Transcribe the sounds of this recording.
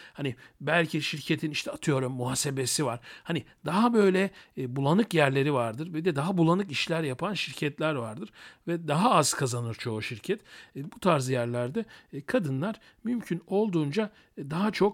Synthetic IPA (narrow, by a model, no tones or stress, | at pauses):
hanibælʲcʰiʃiɾcʰe̞t̪ʰiniʃt̪ʰɛat̪ʰɯjo̞ɾumːuɦaːse̞be̞sivaɾ̥haniɪd̪aɦabø̞jlʲɛbulˠanɯkjæɾlʲe̞ɾivaɾd̪ɯɾvɛd̪ɛd̪aɦabulˠanɯkiʃlʲæɾjapʰanʃiɾcʰɛt̪lʲæɾvaɾd̪ɯɾ̥vɛd̪aɦaaz̥kʰazanɯɾt͡ʃʰo̞uʃiɾcʰɛt̪ːbut̪ʰaɾzɯjæɾlʲæɾd̪ɛkʰad̪ɯnlˠaɾ̥ | mymcʰyno̞lˠd̪uːnd͡ʒa | d̪aɦat͡ʃʰo̞k